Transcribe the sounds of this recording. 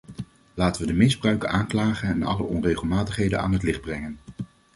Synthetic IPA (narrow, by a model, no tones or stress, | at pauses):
laːtəʋədəmɪzbrœɥkəaːŋklaːχənɛnɑ̰lə̰ʔɔnrejχəlˠmaːtəχɦejdəna̰ːnɦətlɪχd̚brɛŋən